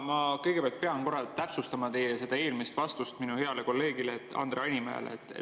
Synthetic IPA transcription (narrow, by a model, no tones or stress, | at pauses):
mɑkɤjɡ̥e̞peɑlt̪̚pe̞ɑnko̞ɾɑt̪æpsust̪ɑmɑt̪e̞jese̞d̪ɑe̞ːlmist̪vɑst̪ust̪minuhe̞ɑle̞ko̞lːe̞ːɡ̥ileːt̪ːˑɑ̰nd̪̥reɑenʲimḛlḛḛt̪ːˑ